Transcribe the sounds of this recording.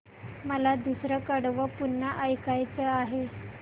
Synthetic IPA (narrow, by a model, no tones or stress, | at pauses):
məlad̪usɾəkəɽʋəpunːəʔəjkajt͡səaɦe